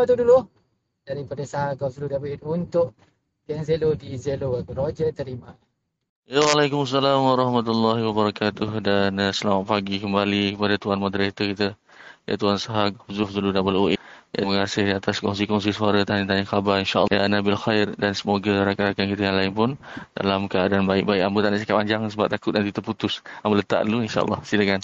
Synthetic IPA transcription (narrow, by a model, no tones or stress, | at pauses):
at̪udulu | daɾipadasaɦaɡɔfzuludabəlinunt̪ʊʔ | t̪ianzelodizeloɾod͡ʒət̪əɾima | jawalajkʊmasːalamwaɾˤɑhmat̪ulːɑɦiwabaɾakat̪ʊhdansəlamat̪̚paɡikəmbalikəpadat̪uanmad̪ɾet̪əkit̪a | ja̰t̪uansaɦaɡbzʊfzuludanbəlʔoʔjaməŋasɪhdiat̪askɔŋs̬ikɔŋs̬isuaɾət̪anint̪aniŋxabaɾinʃaʔja̰nabilxajrdansəmoɡaɾakaɾakankit̪əjaŋlaɪnpʊnda̰lamkəadanbaɪk̚baɪkambət̪aʔnaʔsikap̚aɲd͡ʒaŋsəbap̚t̪akʊt̪̚dant̪it̪əput̪ʊsambələt̪a̰ʔluinʃa̰ʔɑ̰lːɑ̰hsiləkan